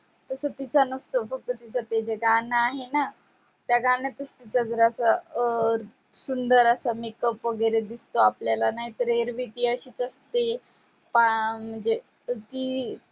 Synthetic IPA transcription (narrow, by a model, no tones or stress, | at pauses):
t̪əsət̪it͡sanəst̪ofək̚t̪ət̪it͡sat̪ed͡ʑeɡanaːɦena | t̪jaɡãnet̪əst̪it͡sad͡zəɾəsa | sund̪əɾəsamikəpʋəɡəɾed̪ist̪oapljalanaɦit̪əɾeɾʋit̪iəɕiːt͡səst̪e | pam̤əɳd͡ze | t̪iː